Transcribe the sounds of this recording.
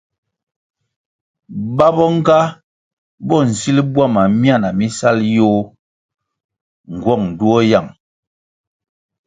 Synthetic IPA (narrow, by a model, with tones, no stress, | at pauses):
ba˦bɔ˦ŋ˦ɡa˦ | bɔ˦˨n̩˨si˦lbwa˦˨ma˨mja˦˨na˨mi˦sa˦ljo˦ | ŋ̩˨ɡwɔ˦˨ŋn̩˨du˦ɔ˦ja˦˨ŋ